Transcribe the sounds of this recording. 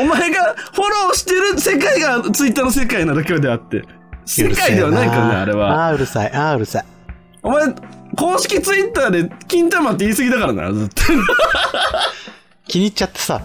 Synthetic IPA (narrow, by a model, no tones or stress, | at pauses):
omaeɡaɸo̞ɾo̞ːɕi̥t̪e̞ɾɯ̟se̞kaiɡat͡sɨit̪ːaːnos̬e̞kainaɾak̬ʲed̪e̞at̪ːe̞̰ | se̞kaid̪e̞βanaikãna̰ːɾe̞βa̰aɯ̟ɾɯ̟sa̰iʔaːɯ̟ɾɯ̟sai | omaeko̞ːɕi̥kʲit͡sɨit̪ːaːd̪e̞kʲĩnt̪amat̪ːeiːsɨɡʲid̪akaɾana̰ɾzɨt̪ːo | kʲiɲ̟it͡ɕat̪ːe̥sa̰